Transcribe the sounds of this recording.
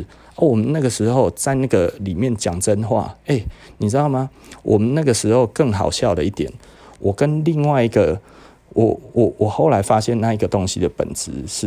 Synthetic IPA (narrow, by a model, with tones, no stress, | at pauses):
a˩wɔ˨˩mə˨na˥˩ɡə˩ʂ̩˧˦xo˥˧ʊt͡sa˥ɪna˥˩ɡə˨˩li˨˩mjɛ˥˨nt͡ɕja˨˩ŋt͡sə˦nxwa̰˥˩e˥˩ɪni˨˩t͡sɻ̩˦d̪ɑ˥˩ʊma˧wʔɔ˨˩mə˨˦nna˥˩ɡə˩˨ʂɻ̩˧˥ho˥˧ʊkə˥˩ŋɦɑ̰˨˩ʊɕjɑ˥˨ʊd̪ə˩i˥˩t̪jɛ̰˨˩˦n | wʔɔ˨˩kə˦nli˥˧ŋwa˥˧ɪi˦˥ɡə˨ | wʔɔ˨˩wɔ˨˩wʔɔ˨˩xo˥˩ʊla˧˦ɪfa˦ɕjɛ˥˧na˥˧i˧ɡə˨t̪ɔ˦ŋɕḭ˦d̪ə˨pə̰˨˩nt͡sɹ̩˧˦ʂ̩˥˩